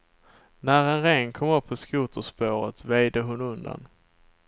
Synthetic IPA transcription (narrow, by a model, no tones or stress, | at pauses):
næɾɛnɾɛŋkʰɔmɵpːʰɔskuːt̪əʂpoːɾət̪vejd̪əɦʊnɵnd̪a̰n